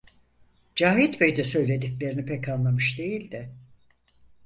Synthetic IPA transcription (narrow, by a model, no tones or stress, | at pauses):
d͡ʒaːɦit̪bejd̪ɛsø̞jlʲe̞d̪iclʲe̞ɾinipʰɛcanlˠamɯʃd̪e̞jilʲd̪ɪ